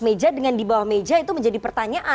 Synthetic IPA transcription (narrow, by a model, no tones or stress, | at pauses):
med͡ʒadəŋandibawahmed͡ʒait̪uməɲd͡ʒadipərt̪aɲaʔa